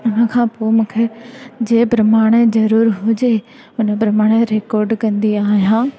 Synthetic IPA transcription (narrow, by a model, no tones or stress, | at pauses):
ʊnə̆kʰãːpomũːkʰed͡ʑeːpɾɐmaːɽ̃ezɐɾuːɾɦʊd͡ʑe | ʊnə̆pɾɐmaːɽ̃eɾeːkɔːɾɖkɐ̃nd̪iaːɦjãː